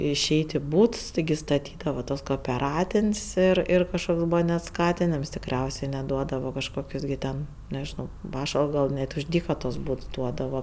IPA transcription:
ɪˈʃʲɛɪtʲ ɪ ˈbuːts tʲɪˈɡʲɪ stɐˈtʲiːdɐʋɐ tuɔs koːoːpʲɛˈrɑːtʲɪnʲsʲ ɪr ˈɪr kɐʃˈkoːks ˈbuːʋɐ nʲɛt ˈskɑːtʲɪnʲɪms tʲɪkˈrʲɛʊsʲeː nʲɛt ˈduɔdɐʋɐ kɐʃˈkoːkʲʊs ɡʲɪ ˈtʲɛn nʲɛʒʲɪˈnɐʊ ˈpɑːʃɐlˠps ɡɐlˠ ˈnʲɛt ʊʃ ˈdʲiːkɐ tuɔs ˈbuːts ˈduɔdɐʋɐ

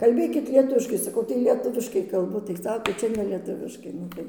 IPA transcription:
kɐlʲˈbʲeːkʲɪt lʲiɛˈtʊʋʲɪʃkɐɪ sɐˈkɐʊ tɐɪ lʲiɛˈtʊʋʲɪʃkɐɪ kɐlˠˈbʊ tɐɪ ˈsɑːkoː ˈt͡ʃʲɛ nʲɛ lʲiɛˈtʊʋʲɪʃkɐɪ ˈnʊ tɐɪ

